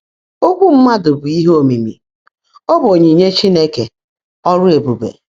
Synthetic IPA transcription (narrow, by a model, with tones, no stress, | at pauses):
o˦ɡʷu˦m̩˦ma˦dʊ˨bʊ˨i˦ɦo˨mi˨mḭ˨ | o˦bo˨ɲe˨ɲe˦t͡ʃi˦ne˦ke˨ | ɔ˦ɾʊ˦e˨bu˨bḛ˨